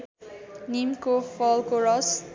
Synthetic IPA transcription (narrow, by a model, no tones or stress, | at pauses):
nimkofɔlkoɾʌs